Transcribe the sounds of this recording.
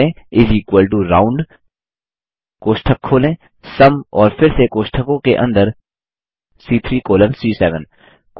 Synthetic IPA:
ẽɪzikwəlʈ̬uɾaːʊ̃ɳɖ | koːʃʈʰəkʰːoːlẽː | sɐmɔːɾfɪɾsekoːʃʈʰəkõkeʔɐ̰̃nd̪əɾ | siːt̪ʰɾiːkoːlə̃nsɾiːsɛːʋə̃n | k

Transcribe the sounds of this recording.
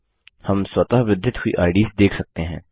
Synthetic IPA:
hɐmswɐt̪aɦʋɪd̪ʱːɪt̪ɦʊḭʔa̰ːɪɖiːsd̪eːkʰsɐk̚t̪eɦɛ̰̃ː

